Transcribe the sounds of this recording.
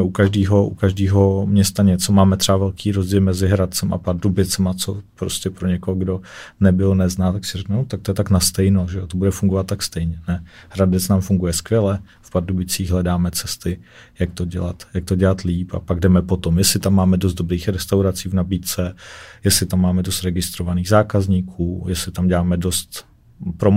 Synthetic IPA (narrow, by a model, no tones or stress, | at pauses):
ɛʔukaʒdiːɦo̞ʔṵkaʒdiːɦo̞mɲɛst̪aɲɛt͡so̞maːmɛt̪r̥ɛbavɛlkʰiːɾo̞zɟiːlmɛzɪɦɾat̪̚t͡sɛmʔa̰paɾdubɪt͡sɛmat͡so̞pɾoscɛpɾoɲɛkooɡdo̞nɛbɪlnɛznaːt̪aksɪrɛknunot̪ak̚t̪ojɛt̪aknast̪ɛjnoʒɛot̪obudɛfuŋɡovat̪ːakst̪ɛjɲɛnɛhɾadɛt͡snaːmfuŋɡujɛskvjɛlɛ | fpaɾdubɪt͡siːɣɦlɛdaːmɛt͡sɛst̪ɪ | jak̚t̪o̞ɟɛla̰t̪jak̚t̪oɟɛlat̪liːpa̰paɡ̚dɛmɛpo̞t̪omjɛslɪt̪amːaːmɛdos̬t̪dobɾiːxɾɛst̪awɾat͡siːvnabiːt̪t͡sɛjɛslɪt̪amːaːmɛdo̞st̪ɾɛɡɪst̪ɾo̞vaniːɣzaːkazɲiːkʰuːjɛslɪt̪amɟɛlaːmɛdost̪ | pɾom